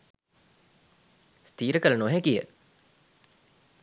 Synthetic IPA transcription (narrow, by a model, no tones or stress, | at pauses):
st̪iːɾəkələnoɦekijə